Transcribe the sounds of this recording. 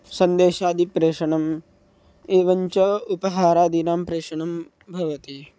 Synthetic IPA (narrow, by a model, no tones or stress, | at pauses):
sɐnd̪eːʃaːd̪ʱipɾeːʂɐɳɐm | eːʋɐɲt͡ʃɐupɐɦaːɾaːd̪inaːmpɾeːʂɐɳɐm | bʱɐʋɐt̪i